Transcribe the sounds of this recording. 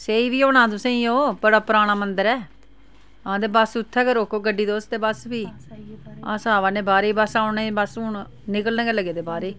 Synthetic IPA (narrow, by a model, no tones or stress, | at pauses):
seːiːʋiːoːɳãːt̪ʊsẽːĩːoːpəɽaːpəɾaːɽ̃aːmənd̪əɾɛː | ãːd̪eːbəsʊt̪ʰːɛːkəɾoːkoːɡəɖːiːd̪oːst̪eːbəsbiː | ã̰ːsaːʋãːnẽːbaːɾeiːbəsãːʊnẽːbəsɳ | nɪkəlnẽːɡeːləɡeːd̪eːbaːɾeː